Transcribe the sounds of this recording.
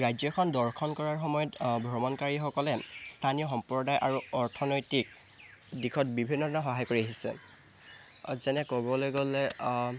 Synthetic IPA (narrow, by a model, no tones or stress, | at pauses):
ɹajzɔkʰɔndɔɹkʰɔnkɔɹaɹxɔmɔjɔtbʱɹɔmɔnkaɹixɔkɔlɛstʰanijɔxɔmpɹɔdajʔaɹuɔɹtʰɔnojtik̚ | dikʰɔt̚bibʱinːɔdɔnaxɔɦajkoɹiaɦisɛ̰ | zɛnɛkɔbɔlojɡolɛ